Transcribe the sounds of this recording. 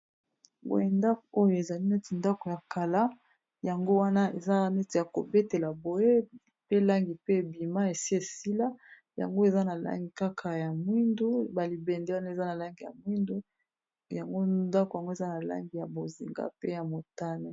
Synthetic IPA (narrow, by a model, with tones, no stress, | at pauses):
bo̰˨je˨nda˦ko˨o˦jo˨e˨za˨li˦nɛ˦ti˨nda˦ko˨ja˨ka˨la˦ | ja˨ŋɡo˦wa˦na˦e˨za˦nɛ˦te˨ja˨ko̰˨be˦te˨la˨bo˨je˦ | pe˦la˦ŋɡi˨pe˦˨bi˨ma˦e˨si˦e˨si˦la˦ | ja̰˨ŋɡo˦e˨za˦na˨la̰˦ŋɡi˨ka˦kʰa˨ja˨mwi˦ndu˦ba˨li˨bɛ˨ndɛ˦wa˦na˦e˨za˦na˨la˦ŋɡi˨ja̰˨mwi˦ndu˦ | ja˨ŋɡo˦da˦ko˨ja˨ŋɡo˦e˨za˦na˨la̰˦ŋɡi˨ja˨bo˨zi˨ŋɡa̰˦pe˦ja˨mo˨ta˦ne˦